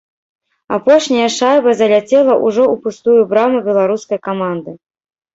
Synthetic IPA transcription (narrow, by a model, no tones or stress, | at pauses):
apɔʂnʲɐjɐʂajvɐzɐlʲat͡sʲɛlˠɐʔuʐɔupust̪ujubɾamubʲɛlˠaɾuskɐjkamand̪ɨ